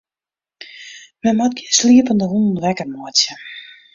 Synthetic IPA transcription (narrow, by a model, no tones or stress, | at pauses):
mɛnmat̚ɡisliəpəndəɦunn̩ʋɛkərmɔətjə